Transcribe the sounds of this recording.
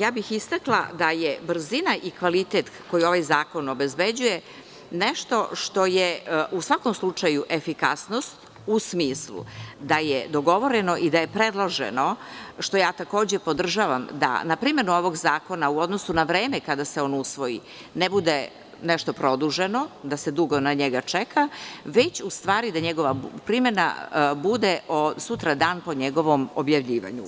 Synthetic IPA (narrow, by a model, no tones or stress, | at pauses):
jaːbixist̪aklˠa̰d̪ajebr̩zinaʔikʋalit̪et̪ko̞jio̞ʋajzaːko̞no̞bezbed͡ʑuje | neʃt̪o̞ʃt̪o̞jeusʋako̞mslˠut͡ʂajuʔe̞fikasnost̪ | usmiːslṵd̪ajed̪o̞ɡo̞ʋo̞ɾenoʔid̪aje̞pɾed̪lˠoʒḛno̞ʃt̪o̞jaːt̪ako̞ːd͡ʑepo̞d̪r̩ʒaːʋa̰md̪a̰napɾimenuo̞ʋo̞ɡzaːko̞nauo̞d̪nosunaʋɾe̞ːmekad̪ase̞o̞nousʋo̞jḭ | nebud̪e | neʃt̪o̞pɾo̞d̪uʒeno̞d̪ase̞d̪uɡo̞naɲeɡat͡ʂekʰaʋe̞t͡ɕust̪ʋaːɾid̪aɲeɡo̞ʋapɾime̞na̰bud̪eʔosut̪ɾad̪aːnpo̞ɲeɡo̞ʋo̞mo̰bjaʋʎiːʋa̰ɲu